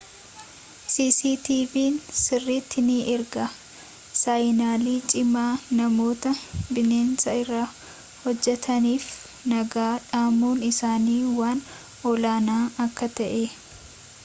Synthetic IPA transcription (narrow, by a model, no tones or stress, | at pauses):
siːsiːt̪iːviːnsɪrːit̪ːɪniʔɪɾɡɐ | sajnaːliːt͡ʃʼɪmaːnɐmo̞ːt̪ɐbɪneːnsɐɪrːaː | hɔd͡ʒːɛt̪ʰɐniːf | nɐɡaːᶑaːmuːnɪsaːniːwaːn | ɔlaːnaːʔɐkːɐt̪ɐʔe